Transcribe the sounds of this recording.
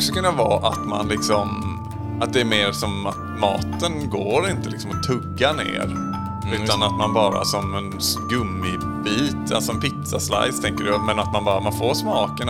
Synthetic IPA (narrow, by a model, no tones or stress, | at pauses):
ʂəkɵnːavɑ̰ːʔa̰t̪ma̰nlɪksɔm | ʔat̪̚d̪ɛːɾmeːɾsɔmː | ɑ̰ːt̪ənɡoːɾɪnt̪əlɪksɔmɔt̪ʰːɵɡːanḛːɾ | ʉ̟ːt̪anat̪manbɑːɾa̰sɔmɛnɡɵmːɪ | biːt̪ʰasɔmpɪt̪sasla̰jst̪ʰɛŋkəɾmɛnat̪manbɑːɾamanfoːɾʂmɑːkən